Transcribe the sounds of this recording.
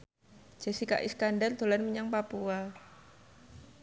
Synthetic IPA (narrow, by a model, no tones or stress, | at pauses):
d͡ʒ̥a̤sika̰ʔḭskandard̪̥o̤lanməɲaŋpapua